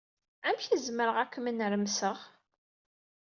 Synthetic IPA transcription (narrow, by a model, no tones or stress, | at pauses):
æmçizməɾəʁækːmənɾəmsəʁ